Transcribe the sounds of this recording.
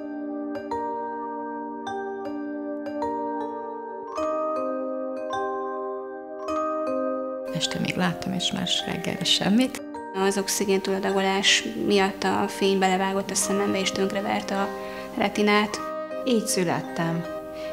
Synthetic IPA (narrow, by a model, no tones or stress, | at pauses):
ɛʃt̪ɛmḛːɡlaːt̪ːɒmeːʃma̰ːʃrɛ̰ɡːɛ̰lɛʃɛ̰mːit̪ | ɒzo̞ksiɡeːnt̪ulɒd̪ɒɡo̞laːʃmijɒt̪ːɒfeːɲbɛlɛvaːɡo̞t̪ːɒsɛmɛmbɛeːʃt̪ø̞ŋkrɛvɛ̰rt̪ɒ | rɛt̪inaːt̪ | iːcsylɛ̰t̪ːɛm